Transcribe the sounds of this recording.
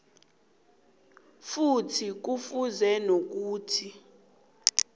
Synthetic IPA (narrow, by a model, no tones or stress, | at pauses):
futʰik̬ufuzɛnok̬uːtʰi